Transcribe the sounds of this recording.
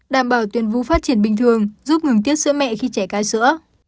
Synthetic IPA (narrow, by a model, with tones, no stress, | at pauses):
ɗaː˧˨mɓaː˧˩wt̪wi˨˩ənvu˧faː˦˥t̚t͡ɕi˧˩ənɓï˨˩ŋ̟t̪ʰɨ˨˩əŋzu˦˥p̚ŋɨ˨˩ŋt̪̬i˦˥ət̚sɨ̰˧˥mɛ̰˧˨xi˧t͡ɕɛ˧˩kaː˧jsɨ̰˧˥ə